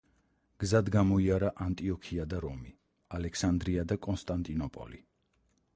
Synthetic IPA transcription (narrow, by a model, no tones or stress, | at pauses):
ɡ̥zad̪ɡamɔiaɾaʔant̪ʼiɔkʰiad̪aɾɔmi | alɛkʰsand̪ɾiad̪akʼɔnst̪ʼant̪ʼinɔpʼɔ̰lḭ